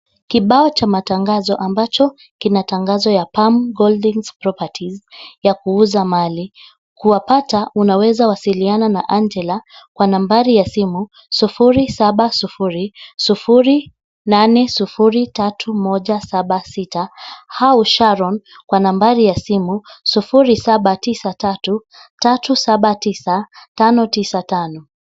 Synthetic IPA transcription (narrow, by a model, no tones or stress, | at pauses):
kiɓaɔt͡ʃamataŋɡazɔʔambat͡ʃɔ | kinataŋɡazɔjapamɡɔldiŋz̥pɾɔpatʰizjakuuzamali | kuwapataʔunawɛzawasiliananaʔand͡ʒɛlakwanambaɾijasimu | sufuɾisaɓasufuɾisufuɾi | nanɛsufuɾitatʰumɔʄasaɓasitahauʃaɾɔn | kwanambaɾijasimusufuɾisaɓatisatatu | tatusaɓatisatanɔtisatanɔ